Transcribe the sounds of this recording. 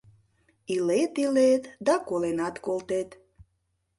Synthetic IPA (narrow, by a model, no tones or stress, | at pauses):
ilet̪ilet̪d̪ɑkolenɑt̪kolt̪et̪